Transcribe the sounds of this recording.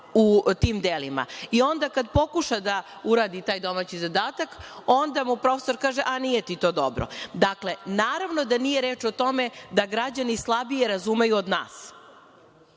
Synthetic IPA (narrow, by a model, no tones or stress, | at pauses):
ut̪iːmd̪elima̰io̞nd̪akad̪po̞kuʃad̪a | uɾaːd̪it̪aːjd̪o̞mat͡ɕizad̪aːt̪ako̞nd̪amupɾo̞feso̞ɾkaːʒeʔanijet̪it̪o̞ːd̪o̞bɾo̰d̪akle̞naːɾaʋnod̪anijeɾeːt͡ʃot̪o̞med̪aɡɾad͡ʑanislˠabije̞ɾazumejuod̪na̰ːs